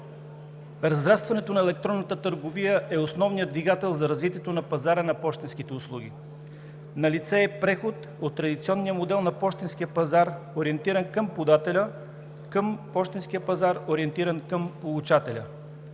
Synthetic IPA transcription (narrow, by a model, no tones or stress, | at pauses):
ɾɐzɾast̪vɐnɛt̪onɐɛlɛk̚t̪ɾɔnːət̪ət̪əɾɡovijəʔɛosnɔvnijəd̪viɡat̪ɛlˠzɐɾɐzvit̪iɛt̪onɐpɐzaɾənɐpɔʃt̪inskit̪ɛʊslˠuɡ̟ʲḭ | nɐlit̪sɛːpɾɛxot̪ | ot̪ːɾɐd̪it̪siɔnːijəmod̪ɛlˠnɐpɔʃt̪insk̟ijəpɐzaɾ | oɾiɛnt̪iɾənkəmpod̪at̪ɛlʲə | kəmpɔʃt̪inskijəpɐzaɾoɾiɛnt̪iɾənkəmpolˠut͡ʃat̪ɛlʲə̰